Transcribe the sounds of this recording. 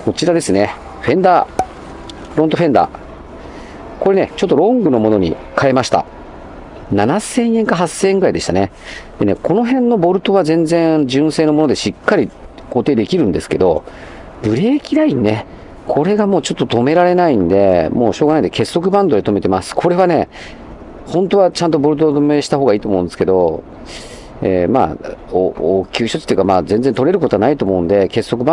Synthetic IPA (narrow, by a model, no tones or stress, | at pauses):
ko̞t͡ɕiɾad̪e̞sɨne̞ | ɸẽ̞nd̪aː | ɾõ̞nt̪o̞ɸẽ̞nd̪a̰ | ko̞ɾe̞ne̞t͡ɕo̞t̪ːo̞ɾõ̞ŋɡɯ̟no̞mo̞no̞ɲ̟ḭ | kae̞maɕi̥t̪a̰ | nanasẽ̞ɰ̃ẽ̞ŋkaɦasːẽːŋɡɯ̟ɾaid̪e̞ɕi̥t̪ane̞ | d̪̥e̞nekʰo̞no̞ɦẽ̞nːo̞bo̞ɾɯ̟t̪o̞β̞azẽ̞nd͡zẽ̞d͡ʑɨ̃ɰ̃seːno̞mo̞no̞d̪e̞ɕikːaɾʲi | ɡ̥o̞ːt̪eːd̪e̞kʲiɾɯ̟̃nd̪e̞sɨ̥ke̞̰d̪o̞̰ | bɯ̟ɾe̞ːkʲiɾaine̞ | kʰo̞ɾe̞ɡamo̞ːt͡ɕo̞t̪ːot̪o̞me̞ɾaɾe̞naĩnd̪e̞mo̞̰ːɕo̞ːɣanaid̪eke̞sːo̞k̬ɯ̟bãnd̪o̞et̪o̞me̞t̪e̞masɨ̥kʰo̞ɾe̞β̞ane̞ | hõ̞nt̪o̞βat͡ɕãnt̪o̞bo̞ɾɯ̟t̪̬ot̪ome̞ɕi̥t̪aɦo̞ːɣɡaiːt̪omoɯ̃nd̪esɨ̥ke̞d̪o̞ | ema̰ːookʲɨːɕot͡ɕi̥t̪ojiɯ̟kamaːzẽ̞nd͡zzent̪oɾe̞ɾɯ̟kot̪o̞anait̪omo̞ɯ̟̃nd̪e̞ke̞sːo̞kɯbã